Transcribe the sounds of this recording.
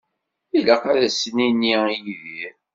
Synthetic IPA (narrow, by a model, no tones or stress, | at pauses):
iləqaɾæsəniniijðiɾ